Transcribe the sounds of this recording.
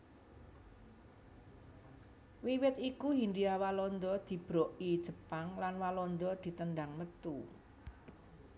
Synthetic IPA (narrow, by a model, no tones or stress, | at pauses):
wiwɪt̪ikuɦinɖiawalɔnd̪ɔd̪̥i̤b̥ɾɔʔid̥ʒ̥ə̤paŋlanwalɔnd̪ɔd̪̥i̤t̪ənɖaŋmət̪u